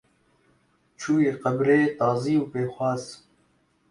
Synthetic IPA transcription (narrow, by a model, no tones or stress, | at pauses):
t͡ʃʰuːjeːqɐbɾeːt̪ɑːziːuːpeːxwɑːz